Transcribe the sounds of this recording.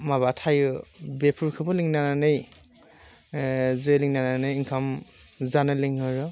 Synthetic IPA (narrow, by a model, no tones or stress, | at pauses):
maβatʰajɯbepʰuɹkʰɯbɯliŋnananɯj | zɔjliŋnananɯjinkʰam | zanɯliŋhɔɾɔ